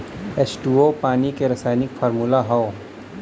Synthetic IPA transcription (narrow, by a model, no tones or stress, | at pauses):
esʈuopaːnikeɾɐsaːjnɪkfʰɔːɾmulaɦɔo